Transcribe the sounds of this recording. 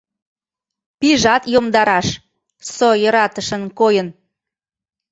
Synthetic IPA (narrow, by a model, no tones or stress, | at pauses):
piʒɑt̪jomd̪ɑɾɑʃ | sojəɾɑt̪əʃə̆nkojən